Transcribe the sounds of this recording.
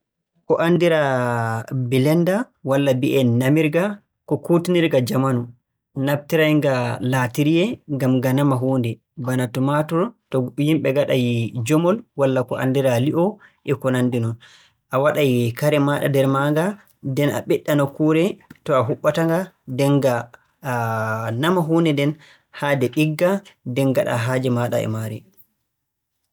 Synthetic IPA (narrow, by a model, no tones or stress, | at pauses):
kɔʔandiɾa | bilɛnda | walːabiʔɛnamiɾɡa | kɔkutiniɾɡad͡ʒamanu | nab̚tiɾajŋɡalatiɾijɛŋɡamɡanamaɦoːndɛ | banatɔmatɔtɔhimɓɛɡaɗajd͡ʒɔmɔlwalːakɔʔa̰ndiɾaliʔɔʔɛkɔnandinɔn | ʔawaɗajikaɾɛmaɗa̰dɛɾmaŋɡa | dɛna̰ɓɛɗːanɔkuːɾɛtɔaɦuɓːataŋɡadɛŋɡa | namaɦuːndɛndɛn | hadɛɓiɡːadɛnɡaɗa̰ɦad͡ʒɛmaɗa̰ɛ̰maɾɛ